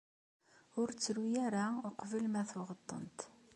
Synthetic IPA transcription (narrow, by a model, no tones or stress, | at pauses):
ʊɾt͡sːɾujæɾaʊqvəlmæθʊʁət̪ˤːə̰nt̪